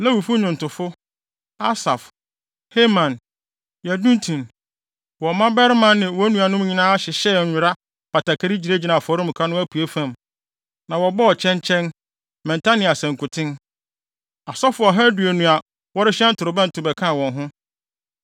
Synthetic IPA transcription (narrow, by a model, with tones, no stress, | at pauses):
la˦wu˨fʊ˦ɲʊ̃˨n˨tʊ˨fʊ˦ | a˦sa˨f | he˦mã˨n | jæ˨dũ˦n˦tʰũ˨n | wɔ˨mã˦bɛ˦ɾmã˨nːɪ̃˨wɔ˦nũ˨a˨nʊ̃˦m˦ɲĩ˨nãː˦a˦ɕɪ˨ɕɛ˦˨ɲʊ˨ɾa˦ | pʰa˨tʰa˨kʰa˨ɾi˦d͡ʑi˨ɾe˦d͡ʑi˨nã˨fɔ˨˦ɾʊ̃˦m˨kʰa˦nʊ̃˦æ˦pʰu˨e˦fã˦m | nã˨wɔ˨bɔ˦ɔ˨t͡ɕʰɛ̃˦ɲt͡ɕʰɛ̃˦n | mɛ̃˨ntʰa˦nĩ˨a˨sɛ̃˨ŋ˨kʊ˨tʰɪ̃˦n | a˨sɔ˦fʊ˨˦ɔ˨ɦɛ˦du˨æ˨nũ˨a˨ | wɔ˦ɾɪ˦ɕɛ̃˦n̩˦tʰʊ˨ɾʊ˨bɛ̃˦n̩˨tʰʊ˨bɛ˨kʰã˦˨wɔ̃˨nɦʊ̃˦